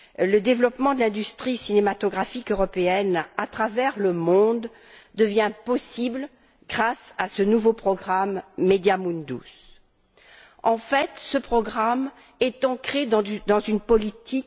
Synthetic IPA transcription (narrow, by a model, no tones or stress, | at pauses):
ləd̪evlɔpmɑ̃d̪əlɛ̃d̪yst̪χisinemat̪ɔɡʁafikøʁɔpeɛnat̪χavɛʁləmɔ̃d̪ | d̪əvjɛ̃pɔsibl | ɡʁasasənuvopχɔɡʁamːed̪jamũnd̪ṵs | ɑ̃fɛt̪səpχɔɡʁam | ɛt̪ɑ̃kχed̪d̪ɑ̃zynpɔlit̪ʰik